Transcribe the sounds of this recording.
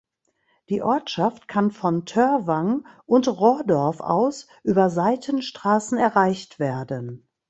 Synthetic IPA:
d̥iːʔɔɐtʃaftkʰanfɔntʰœɐvaŋʔʊntʁɔdɔɐfa̰ʊs | ʔyːbɐzaɪtʰənʃtʁ̥aːsn̩ɛɐʁaɪçtv̥eːɐdən

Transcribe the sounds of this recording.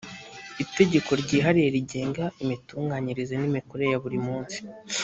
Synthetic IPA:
ite̞ɟe̞ko̞ɾɟiːɦaɾije̞ɾiɟe̞ːŋɡaimituːŋɡaɲiɾizenimikoɾe̞jaβuɾimuːnsi̥

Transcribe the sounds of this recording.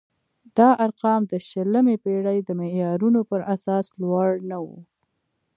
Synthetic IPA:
d̪̥ɑʔaɾqɑmd̪əʃələmepeɽajd̪əmejɑɾunopəɾʔasɑslwɑɽnawṵ

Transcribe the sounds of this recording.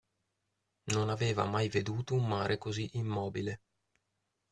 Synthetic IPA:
nonaveːva̰majved̪uːt̪oumːaːɾʔekoziʔimːɔːbile

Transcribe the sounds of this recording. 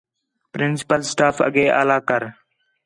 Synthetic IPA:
pɾɪnsɪ̥pəlsʈaːfə̰ɡeːʔa̰ːlaːkəɾ

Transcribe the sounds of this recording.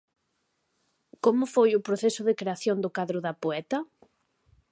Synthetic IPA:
komʊfojʊpɾoθɛsʊðɪkɾeaθjond̪ʊkaðɾʊðɐpoɛt̪ɐ

